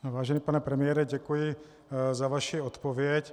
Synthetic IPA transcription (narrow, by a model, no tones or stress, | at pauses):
ʋaːʒɛniːpanɛpɾɛmɪjɛːɾɛɟɛkujɪ | zavaʃiɔt̪povɪɛc